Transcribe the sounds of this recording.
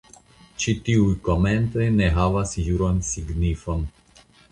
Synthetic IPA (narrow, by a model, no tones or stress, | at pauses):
t͡ʃit̪iujko̞ment̪o̞jneɦavasjuɾonsiɡnifo̞n